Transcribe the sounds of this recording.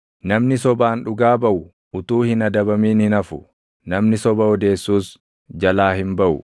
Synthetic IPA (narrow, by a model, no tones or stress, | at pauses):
nɐmnɪsɔbaːnᶑʊɡaːbɐʔʊ | ʊt̪uːhɪnɐd̪ɐbɐmiːnhɪnɐfʊ | nɐmnɪsɔbɐɔd̪e̞ːsːuːs | d͡ʒɐlaːhɪmbɐʔʊ̰